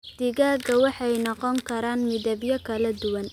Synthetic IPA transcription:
d̪̥ɪɣaːɡɐwɑħɑjnɔqɔŋkʰɐɾaːnmɪðɐbjɐkʰɐlɐd̪ʊwɐn

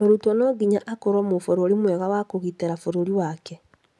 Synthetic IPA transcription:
oɾutɔnɔɡiɲaʔakoɾwɔmofoɾoɾimwɛɣawakoɣiteɾafoɾoɾiwakɛ

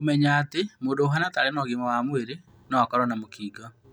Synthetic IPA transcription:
omɛɲaːtemoːndoːɦanatalenɔɣimɔwamweɾe | nɔwakɔɾɔnamokiːɡɔ

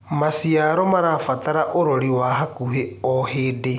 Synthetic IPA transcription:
masiaɾɔmaɾafat̪aɾaʔoɾɔɾiwaɦakuɦeɔheːde

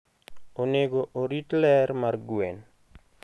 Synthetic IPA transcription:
oneɡoʔoɾitlɛrmarɡwen

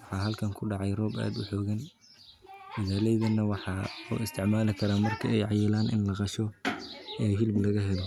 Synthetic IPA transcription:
wɑħɑːɦɐlkʰɐŋkʰʊɖɑʕɑjrɔːba̰ːd̪ʊħɔːɣɐn | ɪðaːlɛjðɐnːɐwɑħɑːʊ̰ɪst̪ʰɪʕmaːlɪkʰɐɾaːmɐrkʰɐɛjʕɑjɪlaːnʔɪ̰nlɐqɑʃɔ | ɛːɦɪlblɐɣɐɦɛlɔ

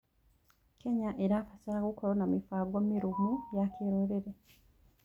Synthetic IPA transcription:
ke̞ɲaʔeɾafasaɾakukolonamifaːɡwomːiɾumujakeɾeɾeɾe

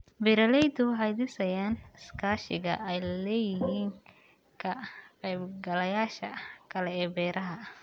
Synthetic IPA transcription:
bɪɾɐlɛjd̪ʊwɑħɑjd̪ɪsɐjaːnɪskʰaːʃɪɣɐ̰ʔɛjlɛːjɪɦiːŋ | kʰɐqɛjbɡɐlɐjaːʃɐ̰kʰɐlɛɛːbɛːɾʔɐɦɐ

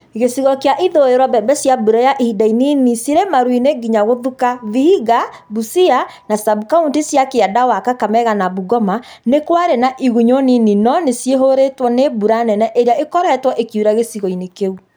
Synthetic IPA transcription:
ɣesiɣɔkeaʔiðoeɾwɔbɛbɛsjabuɾajaʔeidaininisiɾemaɾwineɡiɲaɣoðukavihiɣa | busianasabukauntisjakeadawakakamɛɣanabuɡɔma | nekwaɾenaʔiɣuɲonininɔnesjeɦoɾetwɔnebuɾanɛnɛʔeɾeaʔekɔɾɛtwɔʔekuɾaɣesiɣɔinekeu

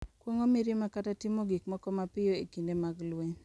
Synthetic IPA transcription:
kwoŋomiɾimakatatɪmoɡikmɔkɔmapɪjoekindemaɡlweɲ

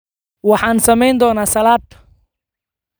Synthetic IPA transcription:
wɑħɑːnsɐmɛjnd̪ɔːnaːsɐlaːd̪

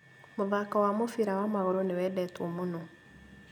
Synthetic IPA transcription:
moðakawamofiɾawamaɣoɾonewɛdɛtwomono

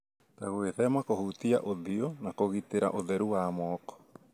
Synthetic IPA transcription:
taɣweðɛmakohut̪iaʔoðionakoɣiteɾa̰ʔoðɛɾuwamɔːkɔ̥

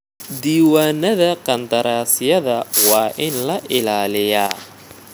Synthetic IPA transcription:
d̪iːwaːnɐðɐqɐnd̪ɐɾaːsɪjɐðɐwɑːʔɪnlɐʔɪlaːlɪjaː

